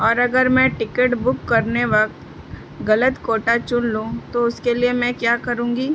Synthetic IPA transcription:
ɔːɾɐɡəɾmɛ̃ʈɪkəʈbʊkːɐɾneʋɐk̚t̪ | ɣɐlət̪koːʈat͡ʃʊnlũːt̪oʊskeliemɛ̃kjaːkɐɾũːŋɡiː

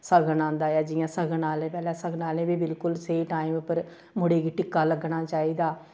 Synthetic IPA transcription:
səɡənãːnd̪aːjɛːd͡ʒɪjãːsəɡənaːlẽːpɛːlɛːsəɡnaːlẽːbiːbɪlkʊlseːʈaːimpəɾ | mʊɽeːɡiːʈɪkːaːləɡɳaːt͡ʃaːiːd̪aː

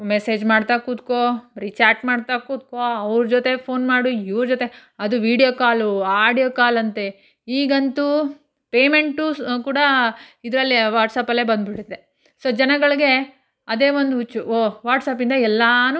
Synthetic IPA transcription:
mese̞ːd͡ʒmaːɽt̪akuːd̪koɾit͡ʃaːʈmaːɽt̪akuːt̪̚koɐʋɾud͡ʒoːt̪e̞pʰoːnmaːɽuiʋɾud͡ʒoːt̪e | ɐd̪uʋiːɽijoːkaːluaːɽijoːkaːlɐnt̪e | iːɡɐnt̪u | pe̞ːme̞ɳʈukuːɽɐid̪ɾɐlːiʋaːʈsaːpɐlːebɐnd̪biʈːid̪ːe | soːd͡ʒɐnɐɡɐɭiɡe̞ | ɐd̪e̞ːʋond̪uut͡ʃːuoːʋaːʈsaːp̬ind̪ɐɛlːanu

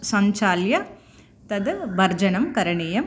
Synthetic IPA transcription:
sɐɲt͡ʃaːljɐ | t̪ɐd̪ʋɐɾd͡ʒɐnɐmkɐɾɐɳiːjɐm

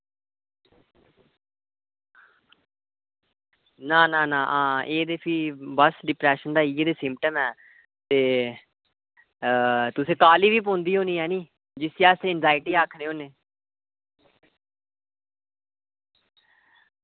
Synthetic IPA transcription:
nãːnãːnãːʔãːeːd̪eːpʰiːbəsɖɪpɾɛːʃənd̪aːiːeːd̪eːsɪ̃mpʈəmɛː | t̪eː | t̪ʊsẽːkaːliːʋiːp̬õːnd̪iːɦõːniːɛːnĩː | d͡ʒɪseaːseːɪnzaːɪʈiːaːkʰneːɦoːneː

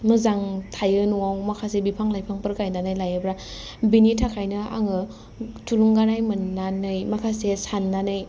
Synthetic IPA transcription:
mɯzaŋtʰajɯnuawmakʰasebipʰaŋlajpʰaŋpɯɾkajnanɯjlajɯbɾa | binitʰakʰajnɯa̰ŋɯ | tʰuluŋɡanajmɯnːanɯjmakʰasesanːanɯj

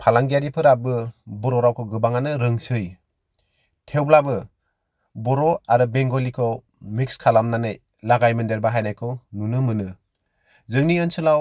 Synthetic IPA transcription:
pʰalaŋɡijaɾipʰɯɾabɯbɔɾɔɾawkʰɔɡɯbaŋanɯɾɯŋsɯj | tʰewblabɯ | bɔɾɔaɾɯbeŋɡɔlikʰɔ | mikskʰalamnanɯj | laɡajmɯndeɾbaɦajnajkʰɔnunɯmɯnɯ | zɯŋniɯnsɯlaw

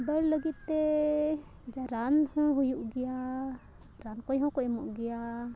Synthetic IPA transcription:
bəɽləɡit̪ːe | d͡ʒaɾanhɔ̃ɦujuʔɡɪja | ɾankojɦɔ̃koimuʔɡɪja

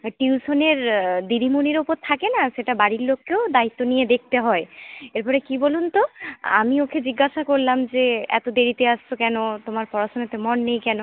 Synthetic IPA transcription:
ʈiusoneɾd̪iɾʱimuniɾopod̪̚t̪ʰːakenaʃeʈabaɽiɾlokːeod̪ait̪ːonijed̪ek̚ʰt̪eɦɔeeɾpɔɾekibolunt̪oa̰miokʰed͡ʑiɡːaʃakoɾlamd͡ʑeɛ̰t̪od̪eɾit̪east͡ɕʰokɛnot̪omaɾpɔɾaʃonot̪emɔnːejkɛno

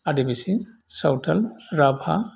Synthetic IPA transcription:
adibisisawtʰalɹabʱa̰

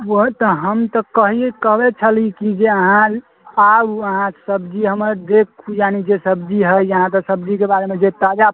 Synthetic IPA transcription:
wət̪ɔɦəmt̪ɔkəɦiekəɦbɛt͡ʃʰəlikid͡ʒeəɦã | aəɦãsəbd͡ʒiɦəməɾd̪ekkʰːujanid͡ʒesəbd͡ʒiɦəjəɦãt̪̬ɔsəbd͡ʒikebaɾemed͡ʒet̪ad͡ʒa

